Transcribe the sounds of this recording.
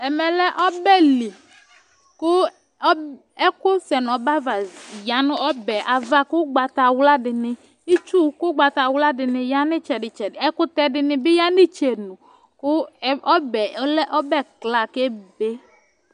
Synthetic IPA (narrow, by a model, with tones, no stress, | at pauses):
ɛ˨mɛ˨lɛ˦ʔɔ˦bɛ˦li˨ | kʊ˦ | ɛ˦kʊ˦sɛ˨n˨ɔ˨ba˦va˨ja˨˦nʊ̃˦ɔ˦bɛ˨ʔa˨va˦kʊ˦ɡ͡ba˨t̪a˨wla˦dɪ˨nɪ˨ | i˦t͡ʃu˦kʊ˦ɡ͡ba˨t̪a˨wla˦dɪ˨nɪ˨ja˦nɪ˦t͡ʃɛ˨dɪ˨t͡ʃɛ˨dɪ˨ɛ˦kʊ˦t̪ɛ˦dɪ˨nɪ˨bɪ˦ja˦nɪ˦t͡ʃe˨nʊ˨ | kʊ˦ɔ˦bɛ˨˦lɛ˦ʔɔ˦bɛ˦˨kla˨ke˦be˦